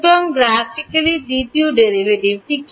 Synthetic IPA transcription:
d̪ɔŋɡɾafʰikɐlidit̪ioɖeɾiʋeʈibʈik

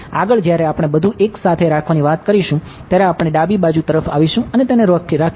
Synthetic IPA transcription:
aɡəɭd͡ʒjaɾeapɽ̃ebəd̪ʱuʔeksat̪ʰeɾakʰʋaniʋat̪kəɾiʃũ | t̪jaɾeapɽ̃eɖabibad͡ʒut̪əɾəfa̰ʋiʃũənet̪eneɾɔkɾakʰ

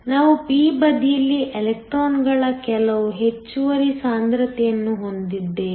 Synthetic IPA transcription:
naːʋupiːbɐd̪ijɐlːiʔelek̚ʈɾoːnɡɐɭɐkɛlɐʋuɦe̞t͡ʃːuʋɐɾisaːnd̪ɾɐt̪ɛjɐnːuɦo̞nd̪id̪ːe

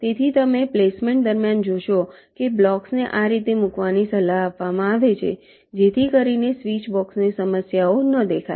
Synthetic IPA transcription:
t̪et̪ʰit̪əmeplesmeɳʈ̚d̪əɾmjand͡ʒoʃokeblɔksneʔaɾit̪emukʋanisəlaɦapʋamãaʋet͡ʃʰḛ | d͡ʒet̪ʰikəɾinesʋit͡ʃbɔksnesəməsjaonəd̪ekʰa̰

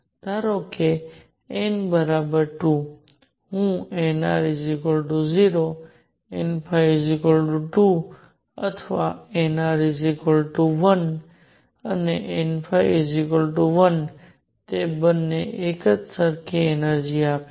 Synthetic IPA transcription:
t̪aɾokʰe | enbəɾabəɾʈu | ɦũenaɾizikəlʈuziɾo | enpʰajzikəlʈuʈu | ə̰t̪ʰəʋaenaɾizikəlʈuʋən | əneʔenfʰajzikəlʈuʋən | t̪ebənːeʔekət̪səɾkʰeenəɾd͡ʒiaːpe

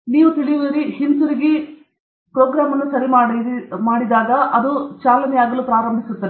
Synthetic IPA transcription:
niːʋut̪iɭijoːɾihinsuɾiɡe | pɾoːɡɾaːmɐnːusɐɾimaːɽmaːɽid̪aːɡɐʔɐd̪ut͡ʃaːlɐnɛjaːɡɐluːpɾaːɾɐmbʱisut̪ːɐd

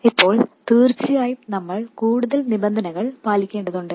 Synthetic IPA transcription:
ipːo̞ːɭt̪iːrt͡ɕːijaːjunɐmːɐɭkuːɽuðɐlnibɐnd̪ʱɐnɐɣɐɭpaːlikʲːeːɳɖɐðuɳɖɨ

